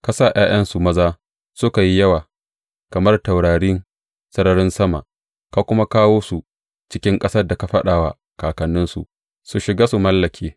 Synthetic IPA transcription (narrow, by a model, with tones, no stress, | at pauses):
ka˦saː˦˨jʔaː˦j̰ʔɐ˦nsu˨mɐ˦zaː˦ | sʊ˦ka˨ji˦jɐ˦waː˨ | kɐ˨mɐ˦rta˨wɽaː˨ɽiː˦n | sɐ˦ɽɐ˦ɾɪ˦nsɐ˦ma̰˨ʔ | ka˦kʷʊ˦ma˦kaː˦woː˦su˨ | t͡ʃɪ˦kʲɪ˦ŋkʼɐ˦sɐ˦rda˨ka˨ɸɐ̰˦ɗaː˨wa˨ | kaː˨kɐ˨nːɪ˦nsu˨ʔ | su˨ʃɪ˨ɡaː˦su˨mɐ˦lːɐ˨kʲʰeː˦